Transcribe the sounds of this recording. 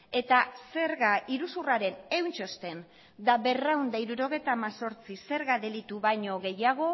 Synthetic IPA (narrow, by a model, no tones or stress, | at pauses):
e̞t̪ase̞ɾɣaʔiɾusuraɾe̞ne̞wnt͡ʃo̞st̪e̞n | d̪aβe̞rawnd̪aiɾuɾo̞ɣ̞e̞jt̪aːmaso̞ɾt͡sise̞ɾɣaðe̞lit̪uβajɲo̞ɣe̞jaɣ̞o̞